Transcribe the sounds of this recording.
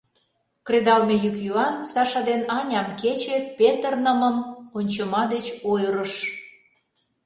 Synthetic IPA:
kred̪ɑlmejykjuɑnsɑʃɑd̪enɑnʲɑmket͡ɕepet̪ərnə̆mə̆monʲt͡ɕəmɑd̪et͡ɕojɾəʃ

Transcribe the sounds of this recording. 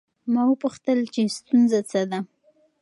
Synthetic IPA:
mawəpuxt̪əlt͡ʃest̪unzat͡səd̪a

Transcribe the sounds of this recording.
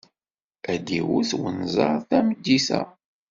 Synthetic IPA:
æd̪iwuθwənzˤɑɾˤθæməd̪ːisæ̰

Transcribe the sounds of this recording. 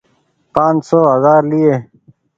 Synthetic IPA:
pãːnd͡ʑsoːɦɐzaːɾlieː

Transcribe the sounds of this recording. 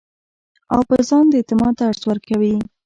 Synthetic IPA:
a̰wpəzɑnd̪əet̪ɪmɑt̪aːɽswəɾkawi

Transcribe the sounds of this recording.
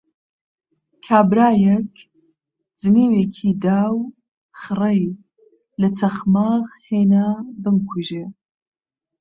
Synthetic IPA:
kʰaːbɾaːjɛk | d͡zɨniːweːkʰiːd̪aːw | xɨrej | lɐt͡sʰɐxmaːɣhenabɨmkʰuʒeː

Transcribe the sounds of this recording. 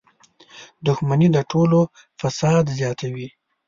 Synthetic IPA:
d̪ʊxmanid̪əʈʰolo | fasɑd̪zjɑt̪ʰawi

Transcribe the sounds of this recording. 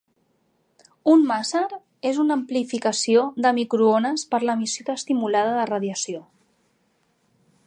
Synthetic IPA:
unmasəɾ | ezunəmplifikəsioðəmikɾuonəspəɾləmisoəːst̪imulað̞əðərəðjəsio

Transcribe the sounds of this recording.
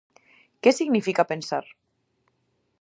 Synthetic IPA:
kɛsiɣnifikapensa̰ɾ

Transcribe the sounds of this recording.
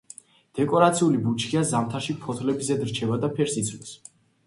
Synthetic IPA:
d̪̥ɛkʼɔɾat̪sʰiulibut͡ʃʰkiazamt̪ʰaɾʃipʰɔt̪ʰlɛbizɛd̪ɾt͡ʃʰɛvad̪apʰɛɾsit̪sʰlis

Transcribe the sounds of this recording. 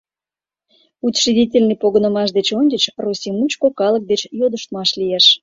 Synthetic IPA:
ut̪ʲʃidʲitʲelʲnipoɣə̆nə̆mɑʃ̬d̪et͡ɕonʲdʲət͡ɕrosʲimut͡ɕkokɑlə̆k̚d̪et͡ɕjod̪əʃt̪mɑʃlʲieʃ

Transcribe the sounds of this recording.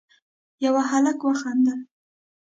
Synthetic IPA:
jawaɦalakwaxand̪a

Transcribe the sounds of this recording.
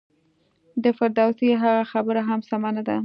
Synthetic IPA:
d̪əfaɾd̪awsiɦaɣaxabəɾaɦamsamanad̪a

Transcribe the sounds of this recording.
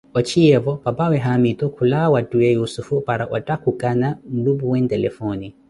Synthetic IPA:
ɔt͡ʃʰiɛvɔpapawɛɦamit̪ɔkʰulawatʼuɛjusufupaɾaʔa̰tʼakukʼanam̩lubuwɛntɛlɛfɔni

